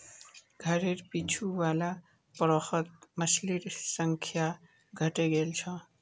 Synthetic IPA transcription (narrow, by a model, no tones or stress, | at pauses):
ɡʱəɾeɾpit͡ʃʰuwala | pɾɔxət̪̚məsliɾsəŋkʰja | ɡʱəʈeɡelt͡ʃʰʌ